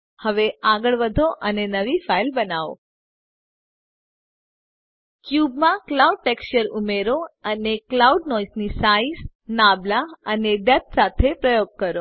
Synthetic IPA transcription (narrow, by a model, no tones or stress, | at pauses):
həʋeaɡəɭʋəd̪ʱoʔənenəʋifailbənaʋo̰ | kjubmãklauɖ̚ʈekst͡ʃəɾumeɾoəneklauɖnɔisnisais | nablaəneɖət̪̚sat̪ʰepɾəjoɡ̚kəɾo